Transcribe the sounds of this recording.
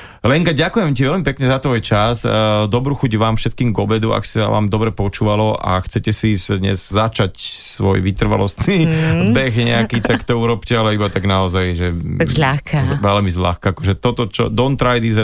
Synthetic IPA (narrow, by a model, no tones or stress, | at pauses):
lɛŋkaɟakujɛmciʋɛlmipɛkɲɛzat̪ʋɔjt͡ʃasd̪ɔbɾuxuɟʋaːmfʃɛt̪̚kiːmɡɔbɛd̪ua̰ksa̰ʋa̰ːmd̪ɔbɾɛpɔt͡ʃuːʋalɔʔa̰xt͡sɛcɛsisd̪ɲɛ̰zzat͡ʃacsʋɔ̰jʋit̪r̩ʋa̰lɔst̪niːbɛxɲɛakiːt̪akt̪ɔuɾɔpcɛalɛibat̪aɡnaɔzajʒɛzʎaxkaʋɛlmizʎa̰xkaakɔʒɛt̪ɔt̪ɔt͡ʃɔ̰d̪ɔnt̪ɾajd̪iza